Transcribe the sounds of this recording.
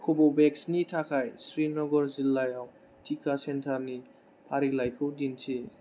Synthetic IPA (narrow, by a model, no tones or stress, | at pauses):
kʰɔbɔwbɛksnitʰakʰajsɾinɔɡɔɾzilːajaw | tʰikʰasentʰaɾni | pʰaɾilajkʰɯwdintʰe